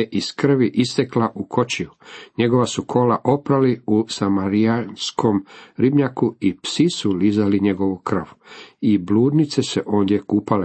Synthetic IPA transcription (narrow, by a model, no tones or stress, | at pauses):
eʔiskr̩ʋiʔist̪e̞klaʔukʰo̞t͡ɕijuɲe̞ɡo̞ʋasukʰo̞laʔo̞pɾaliusamaɾianskʰo̞mɾibɲakuipsisulizaliɲe̞ɡo̞ʋukr̩ʋibluːd̪nit̪se̞seʔo̞ːnd̪jekupale